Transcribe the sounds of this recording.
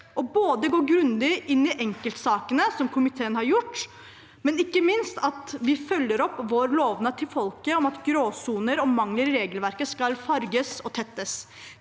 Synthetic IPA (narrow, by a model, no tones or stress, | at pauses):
ʔɔboːd̪əɡoːɡɾʉnd̪ɪʔɪnːɪʔɛŋkəlt̪sɑːkənəsɔmkʰʊmɪt̪ʰeːənhɑɾjʊʈː | mɛnɪkːəmɪnst̪ʰɑt̪ʋɪfœlːəɾɔpːʋoːɾloːʋnət̪ʰɪlfɔlkəɔmɑt̪ɡɾoːsuːnəɾɔmɑŋləɾɪɾeːɡəlʋæɾkəskɑlfɑɾɡəsɔt̪ʰɛt̪ːəs